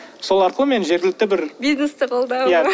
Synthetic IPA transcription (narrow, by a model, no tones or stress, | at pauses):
so̞lˠɑɾqəlˠəme̞nʒe̞ɾɡʲɪlɪk̚t̪ɪbɪɾbʲiznest̪əqolˠd̪ɑwja